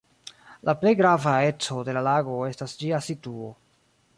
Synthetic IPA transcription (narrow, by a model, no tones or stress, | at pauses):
lʔaple̞jɡɾavae̞t͡so̞de̞lalaɡo̞e̞stasd͡ʒiasituo̞